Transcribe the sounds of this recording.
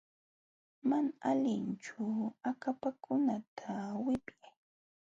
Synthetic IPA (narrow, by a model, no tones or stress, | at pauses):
manaalɪnt͡ʃʊakapakʰʊnat̪ʰawɪpjaj